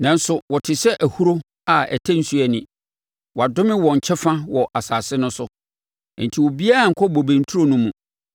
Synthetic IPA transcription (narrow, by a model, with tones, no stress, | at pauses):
nã˨n̩˦sʊ˨wɔ˨tʰɪ˨sɛ˦ʔæ˨hu˦ɾo˦ | a˨æ̰˨tʰæ̃˦n̩˦su˦æ˨nɪ̃˨ | wɔ˨a˨dʊ̃˦mɪ̃˦wɔ̃˨ɲ̩˨t͡ɕʰɛ˦fã˦wɔ˨ʔa˨saː˨sɪ˦nʊ̃˦sʊ˦˨ | n̩˨tʰi˨wɔ˨bi˦a˦a˨ŋ̩˨kʰɔ˦bo˨bẽ˨n˨˦tʰu˦o˦nũ˦mũ˨